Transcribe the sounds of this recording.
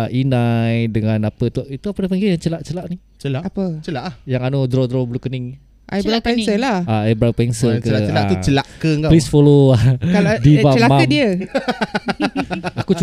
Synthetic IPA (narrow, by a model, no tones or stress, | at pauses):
inajdəŋãnapət̪uit̪uapənapəŋɡijaŋt͡ʃəlaʔt͡ʃəlaʔni | t͡ʃəlaʔapət͡ʃəlaʔhjaŋanodɾod̪ɾɔbəlukəniŋ | ʔajɾapɛnsəlaaajbɾapɛnsəkəaəlaut͡ʃəlaʔkəɡaplisfoloakaadivat͡ʃəlamaamdiə | akut͡ʃ